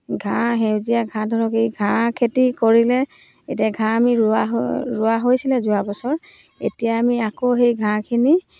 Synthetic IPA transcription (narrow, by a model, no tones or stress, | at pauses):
ɡʱãɦewzijaɡʱãdʱɔɹɔkejɡʱãkʰetikoɹilɛ | etijaɡʱãamiɹʊaɦɹʊaɦojsilɛzʊabɔsɔɹ | ḛtijaːmiakoɦejɡʱãkʰini